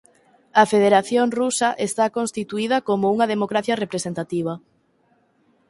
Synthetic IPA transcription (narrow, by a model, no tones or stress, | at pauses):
ɐfeðeɾaθjoŋrusɐʔest̪akonst̪it̪uiðɐkomouŋɐðemokɾaθjɐrepɾesent̪at̪iβ̞ɐ